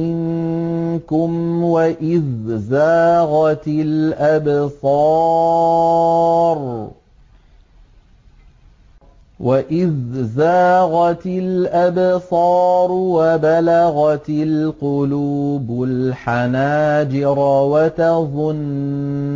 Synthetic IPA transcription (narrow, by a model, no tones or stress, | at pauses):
ɪŋ | kʊmwaʔɪðzaːɣɑt̪ɪlʔabsˤɑː | ɾˤ | waʔɪðzaːɣɑt̪ɪlʔabsˤɑːɾˤwabalaɣɑt̪lqʊluːbʊlħanaːd͡ʒɪɾwat̪aðˤʊn